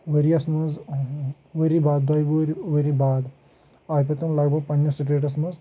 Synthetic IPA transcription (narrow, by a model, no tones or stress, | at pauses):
ʋeɾiɐsmɐz | ʋeɾibaːd̪̚ɐːjʋuɾiʋeɾibaːd̪ | aːjpɐt̪ɐmlɐːɡ̚bʱɐɡ̚pɐɲjɐsiʈɾeːʈ̬ɐs̬mɐz